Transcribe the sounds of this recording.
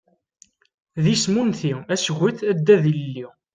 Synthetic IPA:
ðismunθiæsɣʷiθæd̪ːæðilːi

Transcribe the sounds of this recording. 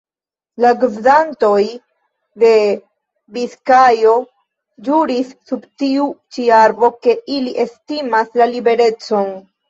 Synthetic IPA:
laɡuvdanto̞j | de̞ | biskajo̞ | d͡ʒuɾisːubtiut͡ʃiaɾbo̞ke̞ʔiliʔe̞stimaslalibe̞ɾe̞t͡so̞n

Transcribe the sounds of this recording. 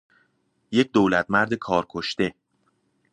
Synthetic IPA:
je̞c̚d̪oːlæt̪̚ʰmæɾd̪ekʰɒːɾkʰoʃt̪e̞

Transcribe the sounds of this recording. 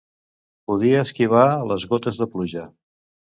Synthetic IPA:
puðiəːskiβ̞aləzɣot̪əzðəpluʒə

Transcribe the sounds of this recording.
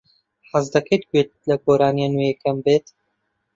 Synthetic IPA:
ħazd̪ɐkʰɐjt̪̚ɡwet̪̚lɐɡoːɾaːnianujekɐmbeːt̪

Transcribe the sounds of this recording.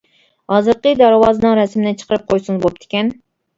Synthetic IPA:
ɑzɨɾqəd̪æɾwɑːzɨnɨŋɾɛsmɪnɪt͡ʃʰə̥qʰəɾɨp̚qʰojsɨnzbop̚t̪ʰɪ̥kʲɛn

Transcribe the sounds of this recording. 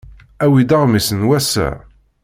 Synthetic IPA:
æwid̪aʁmisənwæsæ̰

